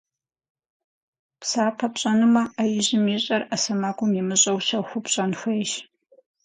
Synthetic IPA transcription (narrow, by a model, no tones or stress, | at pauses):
psaːpʰɐpɕʼɐnɨmɐajɪʑɪmiːɕʼɐrasɐmaɡʷʼʊmjɛmɨɕʼɐwɕɐxʷʊpɕʼɐnxʷeːʃ